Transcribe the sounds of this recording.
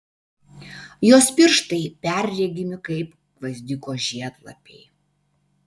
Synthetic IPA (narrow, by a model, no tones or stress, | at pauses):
joːspʲɪɾʃt̪ɐɪpʲɛˑɾʲɾʲɛɡʲɪmʲɪkɐɪp | ʋɐzʲd̪ʲɪkoːʒʲiɛt̪lˠɐ̰pʲɛɪ